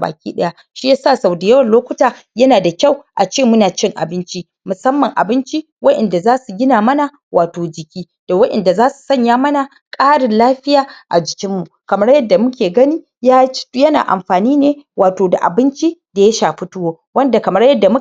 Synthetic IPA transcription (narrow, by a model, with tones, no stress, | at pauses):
ba̰ː˨kʲḭː˦ɗɐ˦ja˦ | ʃi˦ja˦saː˦˨sa˨wde˨jɐ˦wɐ˨nloː˦kʷʊ˦taː˨jɐ˦naː˨da˨kʲa˦˨wʔa˨t͡ʃeː˦˨mʊ˦naː˨t͡ʃɪ˦ŋʔa̰˨bɪ˦nt͡ʃi˦ | mʊ˨sɐ˦mːɐ˨ŋʔa̰˨bɪ˦nt͡ʃi˦ | wɐ˦ɗɛ˨nda˨zaː˦su˨ɡʲɪ˦naː˨mɐ˦na˨ | wʔaː˨toː˨d͡ʒɪ˨kʲiː˦ | d̥a˨wɐ˦ɗɛ̰˨nda˨zaː˦su̥˨sɐ˦˨ɲjaː˦mɐ˦na˨ | kʼaː˦ɽɪ˨nlaː˦ɸɪ˦jaː˨ʔa̰˨d͡ʒɪ˨kʲɪ˦mːu˨kɐ˨mɐ˦ɽjɐ˦dːa˨mʊ˦kʲeː˨ɡɐ˦niː˦ | ja˦jɐ˦na̰ː˨ʔa̰˨mɸaː˨niː˦neː˦waː˨toː˨da̰˨ʔa̰˨bɪ˦nt͡ʃi˦da˨ja˦ʃaː˨ɸɪ˦tʊ˦woː˦ | wɐ˦nda˨kɐ˨mɐ˦ɽjɐ˦dːa˨mʊ˦